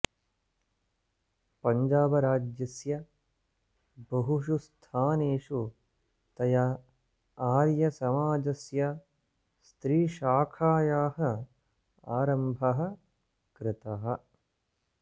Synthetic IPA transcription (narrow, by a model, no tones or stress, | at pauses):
pɐɲd͡ʒaːbɐɾaːd͡ʒjɐsjɐ | bɐɦuʃust̪ʰaːneːʂu | t̪ɐjɐ | aːɾjɐsɐmaːd͡ʒɐsjɐ | st̪ɾiːʃaːkʰaːjaːhɐ̆ | aːɾɐmbʱɐɦɐ̆ | kɾɪt̪ɐɦɐ̆